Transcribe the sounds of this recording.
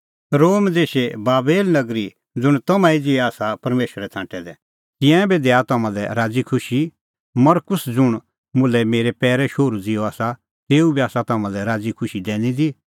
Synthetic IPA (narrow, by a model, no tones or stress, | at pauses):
ɾoːmd̪eːʃebaːbeːlnɐɡɾi | d͡zʊɽ̃t̪ɐmãid͡ziɛaːsapɐɾmeːʃəɾɛt̪ʰãːʈɛd̪ɛ | t̪ɪ̃ãbed̪ɛat̪ɐmãlɛɾaːd͡zikʰʊʃi | mɐɾkʊsd͡zʊɽ̃ | mʊlɛmeːɾɛpɛːɾɛʃoːɾud͡zɪjɔaːsa | t̪eːubiaːsat̪ɐmãlɛɾaːd͡zikʰʊʃid̪ɛːnĩd̪i